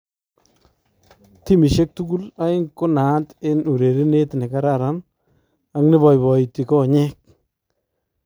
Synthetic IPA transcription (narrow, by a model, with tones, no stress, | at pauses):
ti˦mi˨ʃe˦k̚tu˦ku˦la˦ɪ˦ŋkʊ˦na˨tɪ˦nu˨ɾe˨ɾi˦ne˦tne˨ka˦ɾaɾan | a˦knɪ˦βɔ˨jbɔ˨i˨ti˨kɔ˦ɲɛ˦k̚